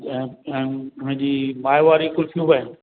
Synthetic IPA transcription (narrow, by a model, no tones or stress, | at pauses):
ʊn̤ɪ̃d͡ʑiːmaːjʋaːɾikʊlfʰijũːbaːɦɪn